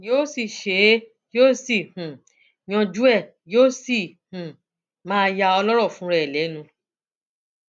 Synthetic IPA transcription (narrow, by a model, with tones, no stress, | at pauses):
joː˦si˦˨ʃe˨˦ | joː˦si˦˨hũ˨ | j̃ɔ̃˧d͡ʒu˦ɛ˦˨ | joː˦si˦˨hũ˨ | mãː˦˧ja˧ɔ˧lɔ˦ɾɔ˦˨fũ˨˦ɾɛ˦˨lɛ˨˦nũ˧